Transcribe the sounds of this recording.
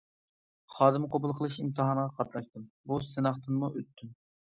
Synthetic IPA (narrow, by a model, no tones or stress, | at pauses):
χɑːd̪ɨmqʰobulˠqʰəlˠɨʃimt̪ʰɨɦɑnəʁɑqʰɑt̪nɑʃt̪ɨm | busɨnɑχt̪ɨnmuʔøt̪ʰːyn